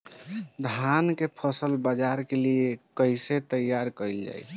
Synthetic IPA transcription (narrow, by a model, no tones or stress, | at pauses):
d̪ʱankepʰəsəlbəd͡ʒaɾkeliekəjset̪əjːaɾkəɪld͡ʒa̰j